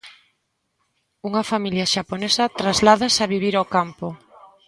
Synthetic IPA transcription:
uŋɐfamiljɐʃaponesɐt̪ɾazlaðasaβiβ̞iɾokampo

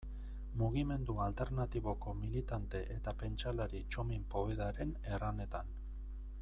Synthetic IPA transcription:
muɣ̞ime̞nd̪ualt̪e̞ɾnat̪iβo̞ko̞milit̪ant̪e̞ʔet̪ape̞nt͡ʃalaɾit͡ʃo̞mimpo̞iðaɾe̞ne̞rane̞t̪an

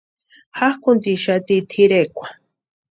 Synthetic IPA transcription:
hahkʊnt̪iʃat̪it̪ʰiɾekʷḁ

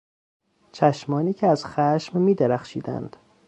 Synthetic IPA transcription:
t͡ʃʰæʃmɒːniːcʰeæz̥xæʃmːiːd̪eɾæxʃḭːd̪æ̰nd̪̥

